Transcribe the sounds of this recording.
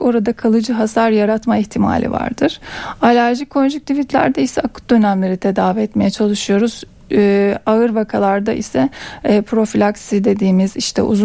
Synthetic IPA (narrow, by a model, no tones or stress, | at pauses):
ko̞ɾad̪akʰalˠɯd͡ʒɯɦasaɾjaɾat̪maɛçt̪ʰima̰ːlʲḭva̰ɾd̪ɯɾ̥alʲæɾʒikʰo̞nʒyk̚t̪ʰivit̪lʲæ̰ɾd̪ɛisɛakʰɯ̥t̪̚d̪ø̞næmlʲe̞ɾit̪ʰed̪aːviɛt̪me̞jɛt͡ʃʰalˠɯʃɯjo̞ɾuz̥ | aɯɾvakʰalˠaɾd̪aʔḭsɛːpʰɾo̞filʲaksid̪e̞d̪iːmiziʃt̪ʰɛ̰ʔṵzu